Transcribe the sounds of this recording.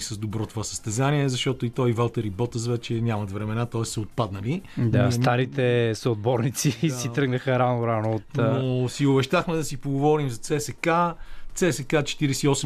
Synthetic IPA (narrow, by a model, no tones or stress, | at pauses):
səzd̪obɾɔt̪ovasə̥st̪ɛzaniɛzɐʃt̪ɔt̪oit̪ɔivalˠt̪ɛɾibɔt̪əzvɛt͡ʃɛnʲamɐt̪vɾɛmɛnat̪ɔɛssɐot̪̚pad̪nəlid̪ast̪aɾit̪ɛsoːd̪̚bɔɾnit̪sisit̪ɾɤɡnəxəɾanoɾanoːt̪nosiobɛʃt̪axmɛd̪ɐsipoɡovɔɾimzɐt̪sɛsɛkat̪sɛsɛkat͡ʃɛ̥t̪iɾɛsɛiɔsɛ